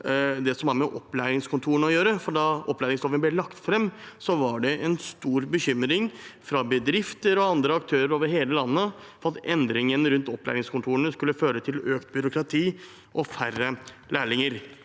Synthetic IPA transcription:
d̪ɛsɔmæɾmɛʔɔpːlæɪɾɪŋskʰʊnt̪ʰuːɾəɳɔjøːɾəfɔɖɑʔɔpːlæːɾɪŋsɔfənblɛlɑkt̪fɾɛmːsɔʋɑɖɛʔɛnst̪uːɾbəçʏmːɾɪŋfɾɑbəd̪ɾɪft̪əɾɔɑnd̪ɾəɑk̚t̪ʰøːɾəɾoːʋəɾɦeːləlɑnːəfɑɑt̪ɛnd̪ɾɪŋənɾʉnt̪ɔpːlæ̰ːɾɪŋskʊnt̪ʰuːənəskʉlːəføːɾət̪ʰɪløːkt̪bʏɾʊkɾɑt̪ʰiː | ʔɔfæɾə | læːɭɪŋəɾ

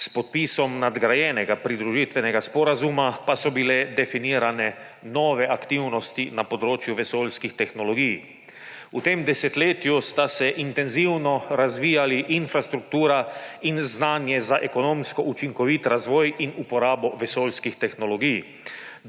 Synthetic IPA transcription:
spɔt̪̚piːsɔmnad̪ɡɾajɛːnɛɡapɾid̪ɾuʒiːt̪ʋɛnɛɡaspɔɾazumapasɔbilɛd̪ɛfiniːɾanɛ | nɔːʋɛʔakt̪iwnɔst̪inapɔd̪ɾoːt͡ʃjuʋɛsoːlskixt̪ɛxnɔlɔɡij | ut̪eːmd̪ɛsɛt̪leːt̪just̪asɛʔint̪ɛnziwnɔɾazʋiːjaliʔinfɾast̪ɾuk̚t̪uːɾainznaːnjɛzaʔɛkɔnoːmskɔut͡ʃiŋkɔʋit̪ɾazʋɔːjinupɔɾaːbɔʋɛsoːlskixt̪ɛxnɔlɔɡij

